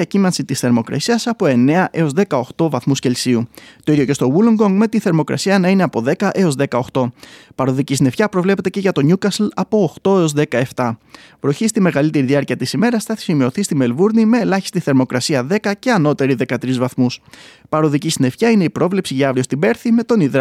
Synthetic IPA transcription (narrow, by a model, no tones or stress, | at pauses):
ɐcimɐnsit̪isθe̞ɾmo̞kɾɐ̰siɐsɐpo̞e̞ne̞ɐʔe̞o̞zðe̞kɐo̞xt̪o̞vɐθmusce̞lsiut̪o̞iðjoce̞st̪o̞wuloŋɡoŋɡme̞t̪iθe̞ɾmo̞kɾɐ̰siɐnɐine̞ɐpoðe̞kɐʔe̞o̞zðe̞kɐo̞xt̪o̞pɐɾoðicisine̞fçɐpɾo̞vle̞pe̞t̪ece̞ʝɐt̪o̞ɲukɐslɐpo̞ːxt̪o̞eo̞zðe̞kɐe̞ft̪ɐ | vɾoçist̪ime̞ɣɐlit̪e̞ɾiðiɐɾciɐt̪isime̞ɾɐsθɐθi̥simio̞θist̪ime̞lvuɾnime̞ːlɐçi̥st̪iθe̞ɾmo̞kɾɐsiɐðe̞kɐce̞ɐno̞t̪e̞ɾiðe̞kɐt̪ɾizvɐθmus | pɐɾoðicisine̞fçɐine̞ipɾo̞vle̞psiʝɐɐvɾio̞st̪ibe̞ɾθime̞t̪o̞niðɾɐ